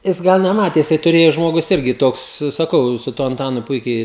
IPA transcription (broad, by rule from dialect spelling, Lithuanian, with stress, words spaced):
ˈjɪs ˈɡɑːnɐ ˈmɑːtʲeːsʲɪ tʊˈrʲeːjʊ ˈʒmoːɡʊs ˈɪrʲɡʲɪ ˈtoːks sɐˈkɐʊ sʊ ˈtuɔ ɐnˈtɑːnʊ ˈpʊɪkʲɛɪ